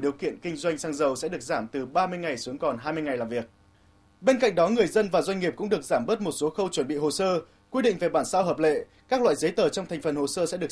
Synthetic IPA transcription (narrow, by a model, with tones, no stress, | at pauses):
ɗi˨˩əwkḭ˧˨ənkï˧ŋ̟zwa˧jŋ̟saː˧ŋzə˨˩wsɛ̰˧˥ɗɨ˨˩ək̚zaː˧˩mt̪ɨ˨˩ɓaː˧mɨ˧əjŋa˨˩jsu˨˦əŋkɔ˨˩nɦaː˧jm˧jŋa˨˩jlaː˨˩mvi˨˩ək̚ | ɓe˧nka̰˧˨ŋ̟̚ɗɔ˨˦ŋɨ˨˩əjzə˧nvaː˨˩zwa˧jŋŋi˨˩əp̚kʊ̰˧˥ŋ͡mɗɨ˨˩ək̚zaː˧˩mɓəː˦˥t̚mo˨˩t̚so˨˦xə˧wt͡ɕwə˧˩nɓḭ˧˨ho˨˩səː˧ | kwi˧ɗḭ˧˨ŋve˨˩ɓaː˧˩nsaː˧wɦəː˨˩p̬̚lḛ˧˨ | kaː˦˥k̚lwa̰ː˧˨jzə˨˦jt̪əː˨˩t͡ɕɔ˧wŋ͡mt̪ʰɛ˨˩ŋ̟fə˨˩nho˨˩səː˧sɛ̰˧˥ɗɨ˨˩ə˩